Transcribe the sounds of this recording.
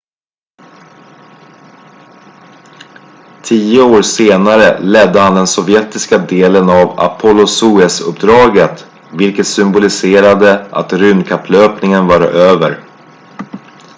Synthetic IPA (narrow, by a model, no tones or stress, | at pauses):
t̪ʰiːəoːɾseːnaɾəlɛd̪ːəhand̪ɛnsɔvjɛt̪ɪskad̪eːlənava̰pʰɔlʊsuːɛsɵ̰pd̪ɾɑːɡət̪ | vɪlkət̪sʏmbʊlɪseːɾad̪əʔa̰t̪ɾʉ̟ːnkʰapʰːløːpnɪŋənvɑːɾa̰ʔøːvəɾ